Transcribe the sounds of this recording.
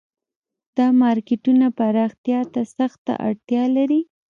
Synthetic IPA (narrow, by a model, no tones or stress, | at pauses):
d̪̥ɑmɑɾkɪʈunapaɾɑxt̪jɑt̪asaxt̪a̰ʔa̰ɽt̪jɑlaɾi